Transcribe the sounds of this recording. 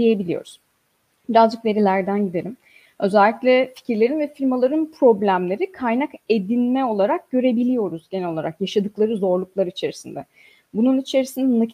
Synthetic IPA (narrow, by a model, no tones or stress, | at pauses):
ijebilʲijo̞̰ɾuz̥ | biɾazd͡ʒɯkve̞ɾilʲæɾd̪ænɟid̪e̞ɾim | ø̞zælʲːiclʲɛfi̥cʰiɾlʲeɾinvɛfilʲmalˠaɾɯnpʰɾo̞blʲæmlʲe̞ɾikʰajnake̞d̪inmɛo̞lˠaɾak̚ɟ̥ø̞ɾe̞bilʲijo̞ɾuzɟenɛlo̞lˠaɾakjaʃad̪ɯklˠaɾɯzo̞ɾlˠuklˠaɾɯit͡ʃʰe̞ɾisind̪ɛ | bununit͡ʃʰe̞ɾisind̪ɛna